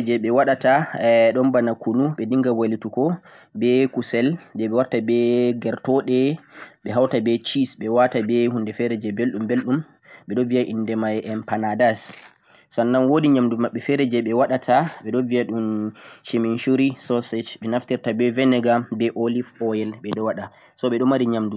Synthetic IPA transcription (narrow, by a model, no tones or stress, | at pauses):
d͡ʒɛɓɛwaɗataɗɔnbanakunuɓɛdiŋɡawalitukɔ | bɛkusɛlbɛɓɛwaɾtabɛɡɛɾtɔɗɛɓɛɦawtabɛt͡ʃisɓɛwatabɛhundɛfɛɾɛd͡ʒɛbelɗumbelɗum | ɓɛɗɔvijaʔindɛmajɛʔɛnpanadas | sanːanwodiɲamdumaɓːɛfɛɾɛd͡ʒɛɓɛwaɗatʰaɓɛɗɔvijaɗunʃeminʃuɾisɔsɛt͡ʃɓɛnaftiɾtabɛvɛnɛɡabɛʔolifɔjɛlɓɛɗɔwaɗa | sɔɓɛɗɔmaɾiɲamdu